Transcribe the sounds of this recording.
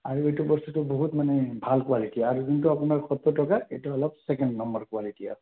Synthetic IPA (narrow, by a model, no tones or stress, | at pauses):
aɹuetubɔsutʊboɦutmanɛbʱalkwalitiaɹukint̬uapunaɹxɔt̪ːɔtɔkaejtuɔlɔb̚sɛkɛndnɔmbɔɹkwalitia̰